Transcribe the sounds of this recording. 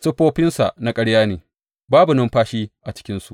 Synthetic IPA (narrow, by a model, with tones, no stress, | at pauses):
sɐ˦ɸoː˦ɸɪ˦nsa̰˨ʔna˦kʼɐ˦ɽjaː˦neː˨ | baː˦bu˨nʊ˦mɸaː˦ʃiː˦ʔa˨t͡ʃɪ̥˦kʲɪ˦nsu˨ʔ